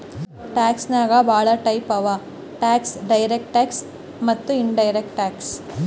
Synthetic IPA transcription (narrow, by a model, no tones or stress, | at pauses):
ʈaːksnaːɡaːbʱaːɭɐʈɐjpɐʋaː | ʈaːksɖɐjɾek̚ʈʈaːks | mɐt̪ːuiɳɖɐjɾek̚ʈʈːaːks